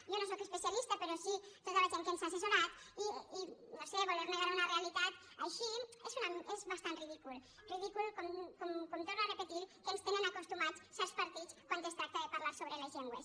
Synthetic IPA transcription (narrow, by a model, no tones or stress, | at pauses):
ʒonos̬okəspesialist̪əpəɾɔsit̪ot̪aβeʒeŋkensasesunat̪iːnoseβoleɾmeɣaɾaunarealit̪at̪ | əaʃiezunamezβast̪anriðikulˠ | riðikulˠkɔmkɔmkomt̪oɾnoarəpət̪iɾkənst̪enənakust̪umat͡ssɛɾspəɾt̪it͡skwant̪est̪ɾak̪̚əðepaɾlaɾsoβɾelezʎeŋɡwes